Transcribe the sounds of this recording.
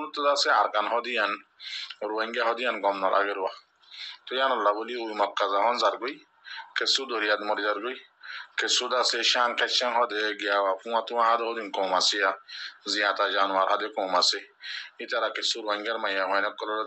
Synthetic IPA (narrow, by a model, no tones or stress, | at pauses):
lutudasɛaɾkanɦɔdijan | ɾwaŋɡahɔdijanɡɔmnɔlʔa̰ɡeɾwa | tɔjanɔlːaboliujmɔkːazahɔnzaɾɡoj | kesudoɾijadmɔɾd͡ʒaɾɡoj | kesudasɛʃãnkɛt͡ʃɛnhɔdɛɡijawafũwatuwãhadɛhɔdinkɔmasijazijãtad͡ʒanuaɾhadɛkɔ̃ːmaseitaɾakesuɾwaŋɡɛɾmajahɔjnɛkːɔlɔlɔ